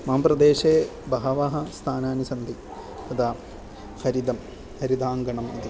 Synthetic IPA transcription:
maːmprɐd̪eːɕeːbɐɦɐʋɐɦɐst̪ʰaːnaːnusɐnd̪i | t̪ɐd̪aː | xɐɾid̪ɐm | hɐɾid̪aːŋɡɐɳɐmid̪i

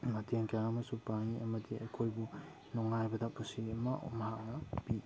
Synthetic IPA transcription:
mɐteŋkjaŋɐmɐsupaŋiɐmɐdiɐkʰojbu | nɔŋnajbɐdak̚pusiɐmɐmɐɦaknɐpi

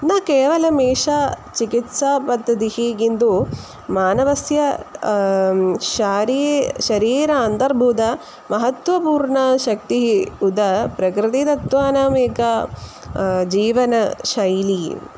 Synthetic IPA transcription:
nakeːʋɐlɐmeːʂaːt͡ʃikit̪saːpɐd̪ɐd̪ihiɡind̪u | maːnɐʋɐsjɐ | ʃaːɾiʃɐɾiːɾɐːnt̪ɐɾbʱuːd̪ɐ | mɐɦɐt̪ʋɐpuːɾɳɐʃɐk̚t̪iɦiud̪ɐpɾɐkɾɪt̪it̪ɐt̪ʋaːnaːmeːka | d͡ʒiːʋɐnɐʃɐjli

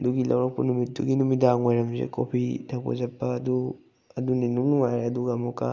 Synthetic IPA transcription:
ɐduɡilɐ̰wɾɐk̚pɐ̰numit̚duɡinumidaŋojɾɐmzḛko̰pʰidʰakʰo̰zɐpːɐːdu | ɐduninuŋnuŋajɾeɐduɡɐːmukɐ̰

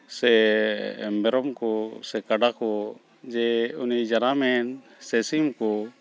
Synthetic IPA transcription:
sɛ | mɛɾɔmkɔsɛkaɖakɔ | d͡ʒɛunid͡ʒanamɛn | sɛsimkɔ

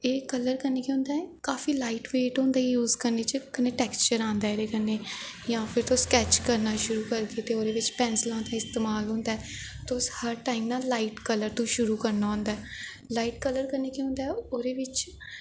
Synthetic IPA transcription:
eːkələɾkəneːkeʊ̃nd̪aːɛkaːfiːlaːiʈʋeːʈɦõːnd̪aːjuːzkəɾneːt͡ʃəkəneːʈɛːkst͡ʃəɾãːnd̪aːeɾeːkəneː | jãːpʰɪɾt̪oskɛːt͡ʃkəɾnaːʃʊɾuːkəɾɡ̪eːt̪eːoːɾeːʋɪt͡ʃpɛ̃ːnsɪlãːnd̪aːɪst̪eːmaːlɦõːnd̪aɛ | t̪oshəɾʈaːimnaːlaːiʈkələɾt̪ũːʃʊɾuːkəɾnaːɦʊ̃ːnd̪aɛː | laːiːʈkələɾkəneːkeɦʊ̃ːnd̪aːɛoːɾeːʋɪt͡ʃ

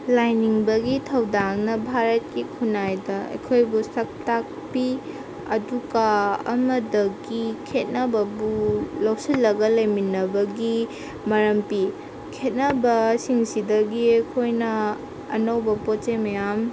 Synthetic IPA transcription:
lajniŋbɐɡitʰɐwdaŋnɐbʱaɾɐt̚kikʰunajdɐɐ̰kʰojbusɐk̚tak̚pi | ɐduɡaɐ̰mɐdɐɡikʰet̚nɐbɐbulɐwsilːɐɡɐlɐjminɐbɐɡi | mɐɾɐmpi | kʰet̚nɐbɐsiŋsidɐɡiɐjkʰojnɐ̰ː | nɐwbɐpot͡ʃemɐjam

